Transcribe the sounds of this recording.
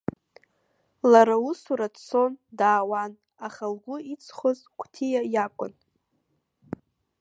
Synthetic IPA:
laɾausuɾadt͡sʰo̞ndaːwan | aχalɡʷʊit͡sʰχʷoz | kʷʰʼtʰijajakʷʼʊn

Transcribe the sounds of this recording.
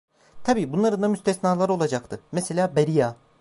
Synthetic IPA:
t̪ʰabiːbunlˠaɾɯnd̪amyst̪ʰɛsnaːlˠaɾɯo̞lˠad͡ʒakt̪ʰɯmeselʲaːbeɾijaː

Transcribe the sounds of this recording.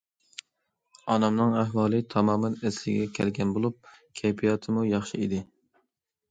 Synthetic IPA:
ɑnɑmnɨŋæɦwɑːlˠɨt̪ʰɑmɑːmɛnæslɪ̰ɡʲɛkʲʰælɡʲɛnbolˠup̚ | kʲʰɛjpʰijɑt̪ʰɪmujɑχʃɪid̪ɪ

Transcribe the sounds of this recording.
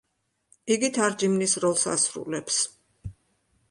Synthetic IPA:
iɡit̪ʰaɾd͡ʒimnisɾɔlˠsa̰sɾṵlɛps

